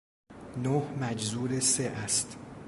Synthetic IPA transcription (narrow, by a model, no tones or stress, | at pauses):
nohmæd͡ʒzuːɾeseʔæst̪